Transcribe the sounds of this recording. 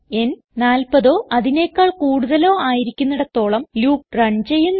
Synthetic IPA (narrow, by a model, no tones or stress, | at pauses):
e̞n | naːlpɐðo̞ːʔɐðine̞ːkːaːɭkuːɽuðɐlo̞ːaːjiɾikʲːunːuɽet̪ːo̞ːɭɐmluːk̚rɐɳt͡ɕe̞jːunː